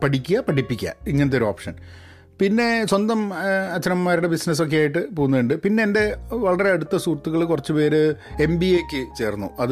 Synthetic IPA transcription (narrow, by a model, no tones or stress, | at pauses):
pɐʈikʲːuɣɐpɐʈipːikʲːɐ̰iŋːɐnɐt̪̬ːo̞ɾuoːpʂɐ̰n | pinːe̞swɐnd̪ɐmɐt͡ɕːɐnɐmːaːɾiɽe̞bisnɐs̬o̞k̬ːejaːjiʈːɨpoːɣunːɐuɳɖɨpinːe̞ːnde̞ʋɐɭːɐre̞ɐɽut̪ːɐsuːrt̪ːuɣɐɭkurɐt͡ɕːɨpe̞ːɾɨ | e̞mbiekʲːɨt͡ɕe̞ːrnːṵɐð